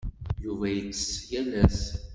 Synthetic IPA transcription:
juvæjət͡sːə̥sjælæs

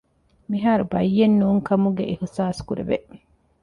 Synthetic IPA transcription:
miɦaːɾubɐjːenːuːŋkɐmuɡeʔihsaːskuɾḛʋeʔ

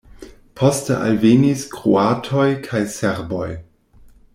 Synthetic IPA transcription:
pʰostə̰ʔa̰lveniskɾṵatʰojkʰajseɾbo̞j

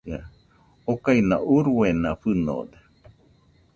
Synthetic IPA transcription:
a | okainãuɾuenaɸɨno̰d̪e

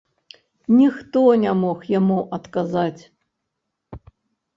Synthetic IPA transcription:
nʲixt̪ɔnʲamɔxjamuʔɐt̪kazat͡sʲ

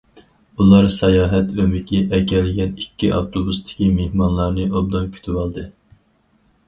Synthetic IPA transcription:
ulˠɑɾsɛjɑːɦɛt̪ømɪkʲʰiʔɛkʲɛlɪɡʲɛnikʲːiʔɑ̰ft̪ʰobust̪ʰɪ̥kʲimehmɑnlˠɑɾnɨʔob̚d̪ɑŋkʲʰy̥t̪ʰywɑlˠd̪ɨ

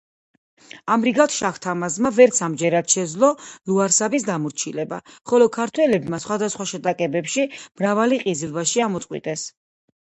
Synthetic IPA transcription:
amɾiɡat̪ʰʃaχt̪ʰamazmavɛɾt̪sʰamd͡ʒɛɾad̪ʃɛd̪zlˠɔluaɾsabisd̪amuɾt͡ʃʰilɛba̰χɔlɔkʰaɾt̪ʰwɛlɛbmasχwad̪asχwaʃɛt̪ʼakʼɛbɛpʃimɾavaliqʼizilˠvaʃiamɔt̪sʼqʼwḭt̪ʼɛs

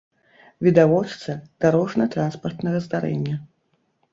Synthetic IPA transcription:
vʲid̪avɔt͡ʂt̪sɐd̪̥aɾɔʐnɐt̪ɾanspɐrt̪nɐɣɐzd̪aɾɛ̰nʲːɐ

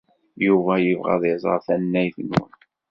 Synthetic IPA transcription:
juvæjəvʁæ̰ðˤɪzˤə̰ɾˤθænːæjθnṵn

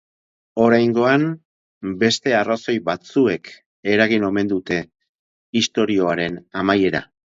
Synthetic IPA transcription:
o̞ɾajŋɡo̞am | be̞st̪e̞araso̞jβat͡sue̞k | e̞ɾaɣ̞ino̞me̞nd̪ut̪e̞ | ist̪o̞ɾio̞aɾe̞namaje̞ɾa̰

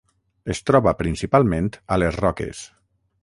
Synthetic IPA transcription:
est̪ɾɔβapɾinsipalˠmẽnt̪əlezrɔkḛs

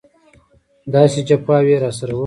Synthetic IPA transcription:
d̪ɑːsit͡ʃapaːweːɾaːsɐɾw

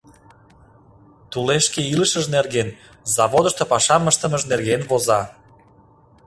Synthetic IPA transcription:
t̪uleʃkeiləʃəʒnerɣen | zɑβod̪ə̆ʃt̪opɑʃɑməʃt̪ə̆məʒnerɣenβozɑ

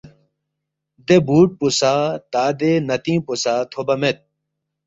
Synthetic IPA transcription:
d̪ebuːʈ̚pusaːt̪aːd̪enɐt̪ĩːpusaːt̪ʰobɐmet̪̚

